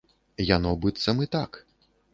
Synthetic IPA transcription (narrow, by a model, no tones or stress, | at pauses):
janɔbɨt̪sːɐmɨt̪ak